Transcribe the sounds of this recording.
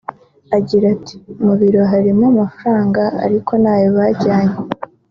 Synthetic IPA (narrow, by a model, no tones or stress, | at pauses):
aɟiɾati̥muβiɾo̞ɦaɾimoːmafuɾaːŋɡa̰ːɾikʰo̞naːjoβaɟaːɲe